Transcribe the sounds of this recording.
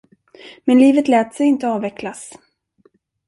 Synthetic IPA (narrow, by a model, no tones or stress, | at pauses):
mɛnliːvət̪lɛːt̪sɛjɪnt̪əɑːvɛkʰlas